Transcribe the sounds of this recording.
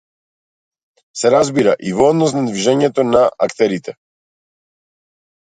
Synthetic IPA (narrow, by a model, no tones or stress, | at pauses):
sɛɾazbiɾaʔivɔd̪nɔs̬nad̪viʒɛɲɛt̪ɔnaa̰kt̪ɛɾit̪ɛ